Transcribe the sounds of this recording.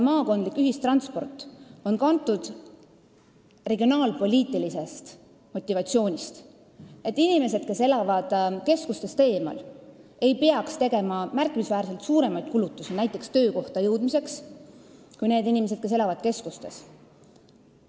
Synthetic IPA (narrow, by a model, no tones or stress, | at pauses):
mɑːko̞nd̪likːˑyɦist̪rɑnt̪spo̞̰rt̪ːˑo̞nkɑnt̪ːˑud̪̥ | re̞ɡ̥io̞nɑːlpo̞lʲiːt̪ːˑilise̞st̪ | mo̞t̪ʲːˑivɑt̪sio̞ːnʲist̪ | e̞t̪ːˑinʲime̞se̞d̪̥̚ke̞se̞lɑvɑd̪̥ke̞skust̪e̞st̪e̞ːmɑ̰le̞jpeɑkst̪e̞ɡe̞mɑmærkːˑimisvæːɾse̞lt̪suːɾe̞mɑjd̪̚kulut̪ːˑusinæjt̪ːˑe̞kst̪øːko̞ht̪ɑjɤwd̪̥mise̞ks | kujne̞ːd̪inʲime̞s̬e̞d̪̥̚ke̞s̬e̞lɑvɑd̪̥̚ke̞skust̪e̞s